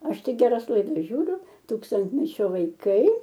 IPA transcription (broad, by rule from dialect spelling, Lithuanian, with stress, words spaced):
ˈɐʃ ˈtʲɪk ɡʲɛˈrɐs lˠɐɪˈdɐs ˈʒʲuːrʲʊ ˈtuːkstɐnʲtʲmʲɛt͡ʃʲoː ʋɐɪˈkɐɪ